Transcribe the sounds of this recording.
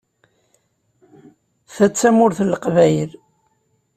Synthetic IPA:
θæt͡sːæmʊɾθəlqvæjl

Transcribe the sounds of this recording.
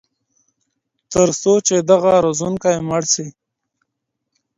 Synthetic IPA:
t̪əɾsot͡ʃed̪aɣaɾozunkajməɽsi

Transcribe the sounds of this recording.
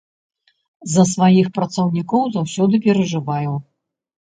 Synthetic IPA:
zɐsvajixpɾɐt̪sɐwnʲikɔwzawsʲɔd̪ɨpʲɛɾɐʐɨvajuw

